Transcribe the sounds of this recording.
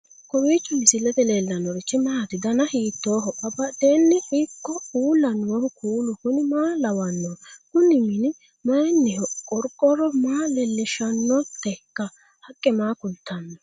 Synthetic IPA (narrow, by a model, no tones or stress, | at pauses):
kɔwiːt͡ʃːʊnɪsɪlːɛt̪ɛlelːɐnːɔɾɪt͡ʃːɪmɐːɐt̪ɪd̪ɐnɐhiːt̪ːoːɦɔʔɐbɐd̪eːnːɛɪkːɔuːlːɐnwɔhkʰuːlʊkʊnɪmaːlɐwɐnːɔkʊnːɪmɪnɪ | mɐjɛnːɪhɔkʼɔɾkʼːɔɾɔmaːlɛlːɪʃɐnːɔt̪ːɛkːɐ | hɐkʼːɛmaːkʊlt̪ːɐnːɔ